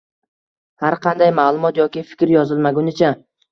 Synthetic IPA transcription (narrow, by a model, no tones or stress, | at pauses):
haɾqʰɑnd̪ajmaːlˠʊmɒt̪jɒkʲɪfɪ̥kʲɾjɒzɪlˠmaɡʲʊnɪt͡ʃʰa